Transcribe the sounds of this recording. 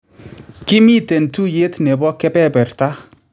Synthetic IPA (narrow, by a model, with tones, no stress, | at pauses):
kɪ˦mi˦˨tɛ˨ntu˦je˦tnɛ˨bɔ˦kɛ˦pɛ˦˨bɛ˨rta˦